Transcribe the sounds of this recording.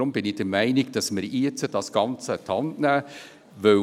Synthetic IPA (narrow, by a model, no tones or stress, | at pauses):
ʊmbɪnɪd̥̪əɾmæɪnɪɡ̚d̪̥ɑsməɾiət͡səd̥ɑsɡ̥ɑnt͡sət̪ʰɑnnæ | ʋœ